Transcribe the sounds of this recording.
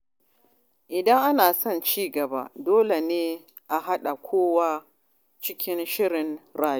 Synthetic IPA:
ʔɪ˨dɐ˦ŋʔa˦naː˨sɔ˦˨nt͡ʃiː˦ɡɐ˨ba̰˦doː˦le˨neː˦ | ʔa˨ɦa˦ɗa˨kʷʰoː˦wa˦ | t͡ʃɪ˦kʲɪ˦nʃɪ˦ɾɪ˨nɾaː˨j

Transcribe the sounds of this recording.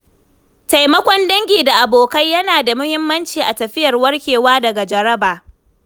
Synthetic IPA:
ta˨jmɐ˦kʷɔ˦ndɐ˦ŋɡʲiː˨da˨ʔa˨boː˨kɐ˦jjɐ˦naː˨da˨mʊ˦hɪ˦mːɐ˦nt͡ʃiː˨ʔa˨tɐ˨ɸɪ˦jɐ˨rwɐ˦rkʲeː˨waː˦dɐ˨ɡa˨d͡ʒɐ˨ɾɐ˦baː˨

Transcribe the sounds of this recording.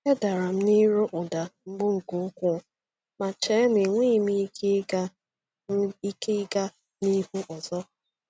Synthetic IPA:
e˦da˨ɾa˨m̩˦ni˦ɾo˦ʔʊ˨da˨m̩˦ɡ͡bʊ˦ŋ̩˨kʊ˨ŋ̩˦kʷʊ˦˨ | ma˨t͡ʃɛ˨˦n˦i˨ŋʷi˦˨mi˦ke˦ɡa˦ | i˦ke˦i˦ɡa˦ | ni˦hu˦ʔɔ˨zɔ˦

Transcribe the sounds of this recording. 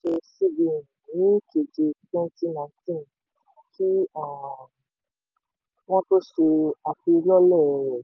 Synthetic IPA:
ʃe˧si˦bĩ˨n˨nĩ˨˦ke˨d͡ʒe˧tɛ̃˦ti˦nã˨˧˨tĩ˦˨n | kʰi˦a˦˨ | nã˦ko˦ʃe˧a˨fi˧lɔ˦lɛ˦˨e˨

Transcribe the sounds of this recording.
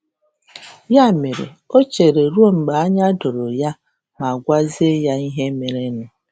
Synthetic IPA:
ja˦˨me˨ɾḛ˨ | o˦t͡ʃe˨ɾe˨ɾu˦o˦ŋ͡m̩˨ɡ͡ba˨a˦ɲa˦dʊ˨ɾo˨ja˦ | ma˨ɡʷa˦ze˦ja˦i˦ɦe˦me˨ɾe˦nʊ˨

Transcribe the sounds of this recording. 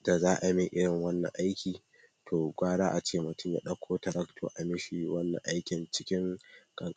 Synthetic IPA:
da˨zaː˦ʔa˨mi˦ʔɪ˦ɽɪ˨ŋwɐ˦nːɐ̰˨ʔa˦jkʲiː˨ | tʰoː˨ɡʷaː˦ɽaː˦ʔa˨t͡ʃeː˦mʊ˨tʊ˦mja̰˨ɗɐ˦kʷʰoː˦tɐ˨ɾɐ˦ktʰo̰˨ʔa˨mɪ˦ʃi˨wɐ˦nːɐ̰˨ʔa˦jkʲɪ˨nt͡ʃɪ̥˦kʲɪ˦ŋkʼɐ˨ŋkʼ

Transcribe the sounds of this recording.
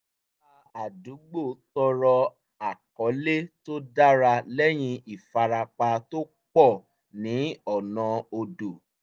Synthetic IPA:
a˧a˨du˨˦ɡ͡bo˦˨˦tɔ˧ɾɔ˧ | a˨kɔ˨˦le˦to˦da˦ɾa˧lɛ˦j̃ĩ˧i˨fa˧ɾa˧k͡pa˧to˦ | k͡pɔ˦˨ | nĩ˨˦ɔ˦˨nã˧o˧do˨

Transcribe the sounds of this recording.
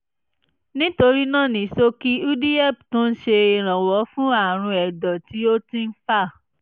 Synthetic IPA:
nĩ˦to˧ɾi˦nã˦˨nĩ˨so˧ki˦u˦di˦ɛ˦˨pto˦n̩˦ʃe˧e˨ɾ̃ã˨wɔ˨˦fũ˦a˦˨ɾ̃ũ˧ɛ˨dɔ˨ti˨˦o˦tĩ˦n̩˦fa˦˨

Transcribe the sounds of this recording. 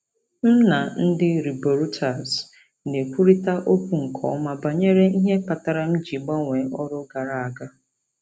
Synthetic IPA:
n̩˦na˨n̩˦dɪ˦ɾi˨bo˨ɾu˦tʰa˨z | ne˨kʷu˦ɾi˦ta˦ʔo˦kʷu˦ŋ̩˨kʰɔ̰˨˦ma˦ba˨ɲe˦ɾe˦i˦ɦe˦pa˨ta˨ɾa˦m̩˦d͡ʒi˨ɡ͡ba˦ŋʷe˨˦ɔ˦ɾʊ˦ɡa˨ɾa˨a˨ɡa˦

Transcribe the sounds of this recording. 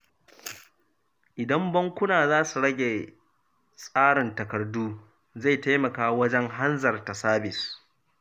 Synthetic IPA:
ʔɪ˨dɐ˦mbɐ˦ŋkʷʊ˦naː˨zaː˦su˨ɽɐ˦ɡʲe˨ | sʼaː˦ɽɪ˨ntɐ˨kɐ˨rduː˦ | za˦˨jta˦jmɐ˨kaː˦wɐ˦d͡ʒɛ˦ŋɦa˦nzɐ˨rta˨saː˦bɪ˨s

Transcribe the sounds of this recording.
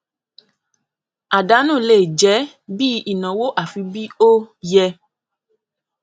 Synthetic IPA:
a˨da˨˦nũ˦˨le˦˨d͡ʒɛ˨˦ | bi˦i˨nɔ̃˨wo˦ʔa˨fi˧bi˦o˦jɛ˧

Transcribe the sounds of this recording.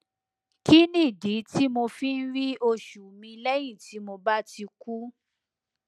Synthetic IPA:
ki˦nĩ˦˨di˨˦ti˦mo˧fi˦n̩˦ɾi˦o˧ʃu˨mĩ˧i˧lɛ˦j̃ĩ˦˨ti˨˦mo˧ba˦ti˧ku˦

